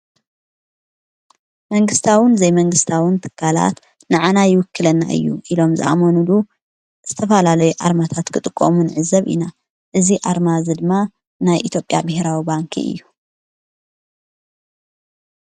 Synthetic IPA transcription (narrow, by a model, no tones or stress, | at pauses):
mɐŋɡɨst̪ʰawɨnzɐjmɐŋɡɨst̪ʰawɨnt̪ʰɨ̥kʰːala̰t̪ | nɨʕanajɪwʊkːɨlɐnːa̰ʔɨ̰jːṵʔilo̞mzɨ̰ʔa̰monulu | z̥ɨt̪ʰɐfɐlalɐjuʔa̰ɾmat̪ʰat̪kʰɨt̪ʼɨkʼːo̰munɨʕɨzɐβʔḭna | ʔɨziʔaɾmazɨd̪ɨmːa | najʔit̪ʰjo̞pʼja̰bɨheɾawibaŋkʰḭʔɨ̰jːu